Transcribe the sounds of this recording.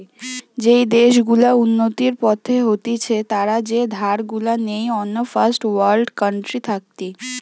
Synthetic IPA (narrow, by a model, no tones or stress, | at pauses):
d͡ʑejd̪eʃɡulaunːot̪iɾpɔt̪ʰeɦot̪it͡ɕʰet̪aɾad͡ʑed̪ʱaɾɡulanejɔnːofasʈwaɾlɖkəɳʈɾit̪ʰak̚t̪i